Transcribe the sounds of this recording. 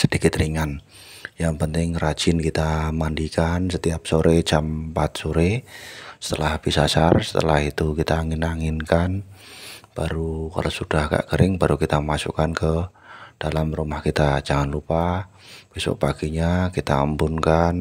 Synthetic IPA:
səd̥ikɪt̪riŋan | jaŋpənt̪ɪŋrḁd͡ʒ̥ɪnkit̪amandikansət̪iap̚soɾet͡ʃampat̪̚soɾesə̥t̪əlahb̥isasarsə̥t̪ə̰lahit̪ukit̪aŋinaŋɪnkan | b̥aɾuka̰losud̥ahka̰ʔkəɾʔɪŋbaɾukit̪amasṵkankə | d̥alamrumahkit̪ad͡ʒaŋanlupa | b̥esʊ̰ʔpaɡ̥iɲakit̪a̰ːmbʊnkan

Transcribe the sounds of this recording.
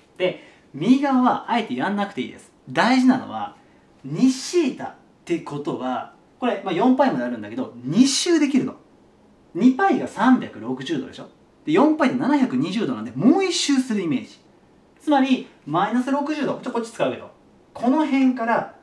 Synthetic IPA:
d̪̥e̞ | mʲiɡaβaβaʔae̞t̪e̞jãnːakɯ̟̥t̪eḭːd̪e̞sɨ̥d̪aiʑinano̞̰βa̰ | ɲ̟iɕiːt̪a̰ | t̪ːe̞ko̞t̪o̞βa | ko̞ɾe̞majõ̞mpaimod̪eaɾɯ̟̃nd̪ake̞o̞ɲ̟iɕːɨːd̪e̞kʲiɾɯ̟t̪o̞̥ | ɲ̟ipaiɡasãmbʲakɯ̟ɾo̞kɯ̟ʑɨːd̪o̞d̪e̞ɕo̞ | d̪̥e̞jõ̞mpait̪enanaçakɯ̟ɲ̟iʑɨːd̪o̞nãnd̪e̞mo̞ːiɕːɨːsɨɾɯ̟ime̞ːʑi̥ | t͡sɨmaɾʲimainasɨɾo̞kɯ̟ʑɨːd̪okot͡ɕko̞t͡ɕːi̥t͡sɨ̥kaɯke̞d̪o̞̰ | kʰo̞no̞ɦẽ̞ŋkaɾa

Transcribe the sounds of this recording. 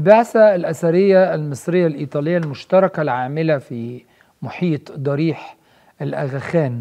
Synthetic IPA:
baʕsalʔæsæɾɪjːalmɪsˤɾɪjːalʔiːt̪ˤɑːlɪjːalmʊʃt̪ɑɾˤɑkalʕaːmɪlafi | mʊħiːt̪ˤd̪ˤɑɾiːħ | ʔɪlʔæɣæxæːn

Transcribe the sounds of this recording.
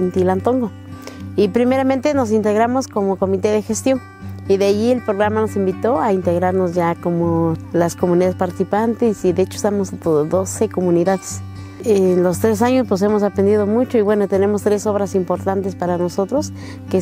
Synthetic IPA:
nt̪ilant̪oŋɡo | ipɾimeɾament̪enos̬int̪eɣɾamoskomokomit̪eðexest̪jo̞ŋ | iðeaʝielpɾoɣɾamanosimbit̪oaint̪eɣɾaɾnosʝakomolaskomuniðaðespaɾt̪isipant̪esiðeet͡ʃoest̪amosat̪oðeðosekomuniðaðes | enlost̪ɾes̬aɲospwes̬emos̬apɾend̪iðomut͡ʃoiβwe̞not̪ene̞most̪ɾesoβɾasimpoɾt̪ant̪espaɾanosot̪ɾos | ke

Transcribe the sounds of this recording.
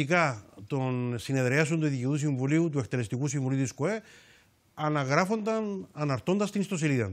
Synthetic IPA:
ikɐt̪o̞nsine̞ðɾeɐs̬ont̪uðiciðusiɱvuliut̪ue̞kt̪ele̞st̪ikusiɱvuliut̪iskoe̞ | ɐnɐɣɾɐfo̞nd̪ɐnɐnɐɾt̪o̞nd̪ɐst̪inist̪o̞s̬iliðɐ̰n

